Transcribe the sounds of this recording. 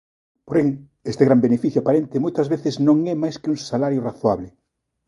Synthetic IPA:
poɾeŋ | est̪eɣɾambenefiθjoapaɾent̪emojt̪azβeθɪznõŋɛmajskɪuŋsalaɾjoraθwaβlɪ

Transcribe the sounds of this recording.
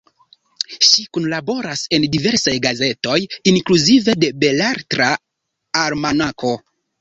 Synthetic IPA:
ʃikunlabo̞ɾase̞ndive̞ɾsajɡaze̞to̞jiŋkluzive̞de̞be̞laɾtɾa | aɾmanako̞

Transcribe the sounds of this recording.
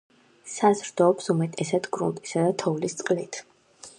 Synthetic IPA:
sazɾd̪ɔːpsumɛt̪ʼɛsad̪ɡɾṵnt̪ʼisad̪at̪ʰɔvlist̪sʼqʼlit̪ʰ

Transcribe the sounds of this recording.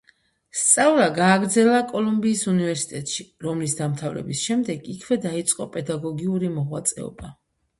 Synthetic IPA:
st̪sʼavlaɡaːɡɾd̪zɛlakʼɔlˠumbiːsunivɛɾsi̥t̪ʼɛt̪ʼʃiɾɔmlisd̪amt̪ʰavɾɛ̰bisʃɛmd̪ɛɡikʰvɛd̪ait̪sʼqʼɔpʼɛd̪aɡɔɡiuɾimɔʁwat̪sʼɛ̰ɔ̰ba

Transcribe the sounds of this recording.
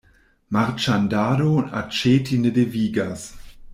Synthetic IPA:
maʁt͡ʃandaːdona̰t͡ʃeːtʰinədeviːɡas

